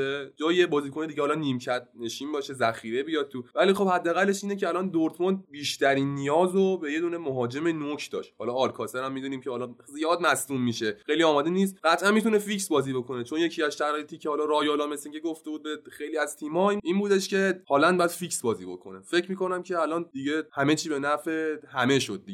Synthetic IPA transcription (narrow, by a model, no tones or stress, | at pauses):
ed͡ʒɒːiebɒːziːkoned̪iːɟehɒːlɒniːmcʰæd̪̚ne̞ʃiːnbɒːʃe̞zæxiːɾebijɒːd̪̚t̪ʰuvæliːxo̞bhæd̪ːeæɣælːeʃiːnecʰeælɒnd̪oɾt̪ʰmond̪̚biːʃt̪ʰæɾiːnːijɒːzobe̞je̞d̪uːne̞moɦɒːd͡ʒe̞menokʰd̪ɒ̰ːʃt̪hɒːlɒːlkʰɒseɾæmːid̪uːniːmcʰehɒːlɒzijɒːd̪mæsd̪umːiːʃexejliɒːmɒːd̪eniːst̪ɡæt̪ʰʔænmit̪ʰunefiksbɒːziːbo̞kʰo̞net͡ʃʰo̞njecʰiæzʃæɾɒːjet̪ʰiːcʰehɒːlɒɾɒːjolɒːmesiŋɡeɡo̞ft̪e̞buːd̪̚bexejliːæzt̪ʰiːmɒiʔinbuːd̪eʃce̞hɒːlændbɒjæd̪fiksbɒːziːbo̞̰kʰo̞̰nefe̞cʰmiːko̞næmcʰe̞ælɒnd̪iɟehæmet͡ʃʰiːbe̞næɾfehæme̞ʃod̪̚ːie